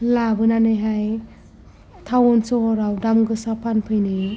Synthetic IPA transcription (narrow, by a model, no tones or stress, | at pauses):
labɯnanɯjɦaj | tʰawɔnsɔɦɔɾawdamɡɯsapʰanpʰɯjnɯ